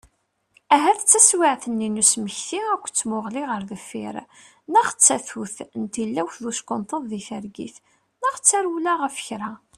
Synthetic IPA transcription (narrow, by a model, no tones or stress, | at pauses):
æɦæθt͡sːæswɪʕθənːinusməçθiækʷːt͡sːmʊʁliʁəɾðəfɪ̰ɾ | nəχt͡sːæθuθnt̪ilːæwðuskʊnt̪ˤəðˤðiθəɾɡḭθ | nəʁt͡sːæɾulæʁəfə̥çɾa